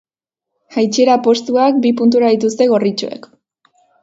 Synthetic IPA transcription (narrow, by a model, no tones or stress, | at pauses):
hajt͡ʃe̞ɾapo̞st̪uak̚bipunt̪̬uɾaðit̪ust̪e̞ɣ̞o̞rit͡ʃo̰e̞̰k